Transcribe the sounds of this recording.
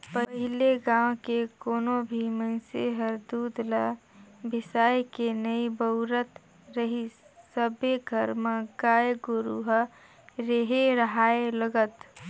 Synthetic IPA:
pəəɦɪleɡãːw̃kekoːnobʱiməɪsḛɦəɾd̪uːd̪labɪsaːekenəibəʊɾət̪ | ɾəɦi | səbeɡʱəɾmaɡaːjɡoɾuɦ | ɾeɦeɾəɦaːeləɡət̪

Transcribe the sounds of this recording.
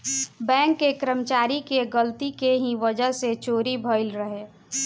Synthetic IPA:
bɛ̃ːŋkːekɾəmt͡ʃaːɾikeɡəlt̪ikeɦĩʋəd͡ʒəɦset͡ʃoːɾibʱəɪlɾəɦeː

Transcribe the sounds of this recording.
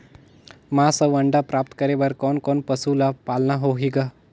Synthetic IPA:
masəʋəɳɖapɾap̚t̪kəɾeʋəɾkɔnkɔnpəsulapalnaɦoɦiɡa

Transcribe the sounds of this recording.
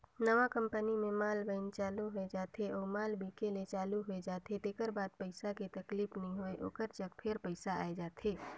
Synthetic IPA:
nɐʋakə̃mpənimẽmaːlbəɪnt͡ʃaːluɦoed͡ʒaːt̪eɔːɾmaːlbʱiːkelet͡ʃaːluɦoed͡ʒaːt̪ed̪eːkəɾbaːd̪̚pəɪsaket̪ɐkliːpnɐɦĩɦoeʔo̰ːkəɾt͡ʃɐkpʰɪɾpəɪsaaːed͡ʒaːt̪ʰeː

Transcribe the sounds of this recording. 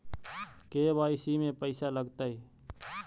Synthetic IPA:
keːbaːisiːmẽːpəɪsaːləɡt̪aːɦeː

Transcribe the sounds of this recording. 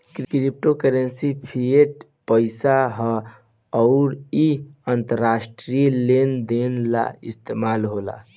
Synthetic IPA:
kkɾip̚ʈokəɾənsipʰieʈ | pəɪsaɦɔ | ɔʊɾiənt̪əɾːasʈɾilend̪enla̰ist̪emalɦola̰

